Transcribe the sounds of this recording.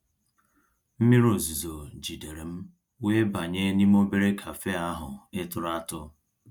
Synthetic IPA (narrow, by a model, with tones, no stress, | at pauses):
m̩˦mi˦ɾo˨zi˨zo˨d͡ʒi˨de˨ɾe˨m̩˦ | we˦ba˨ɲe˦ni˦m˦o˦be˦ɾe˦kʰa˨fe˦a˦ɦʊ˨ɪ˦tʊ˨ɾa˦tʊ˦